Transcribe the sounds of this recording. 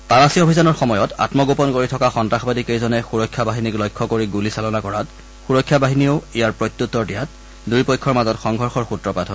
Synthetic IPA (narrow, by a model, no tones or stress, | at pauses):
tanasiobʱizanɔɹxɔmɔjɔta̰tmɔɡopɔnkoɹitʰɔkaxɔntɹaxɔbadikejzɔnɛxuɹɔkʰːjabaɦiniklɔjkʰːɔkoɹiɡulisalɔnakɔɹat | xuɹɔkʰːjabaɦiniʊijaɹpɹojt̪ːutːɔɹdijat̚ | dujpɔjkʰːɔɹmazɔtxɔŋɡʱɔɹxɔɹxutɹɔpatɦɔ